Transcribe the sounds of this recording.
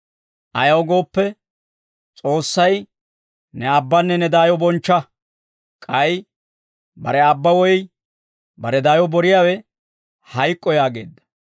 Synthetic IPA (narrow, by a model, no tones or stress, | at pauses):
ʔɐjɐwɡo̞ːpːɛ | t͡sʼo̞ːsːɐj | nɛɐbːɐnːɛnɛd̪aːjɔbɔnt͡ʃːɐ | kʼɐj | bɐ̰ɾɛɐbːɐwɔj | bɐɾɛd̪aːjɔbɔɾɪjaːwɛ | hɐjkʼːɔjaːɡe̞̰ːd̪ːɐ̥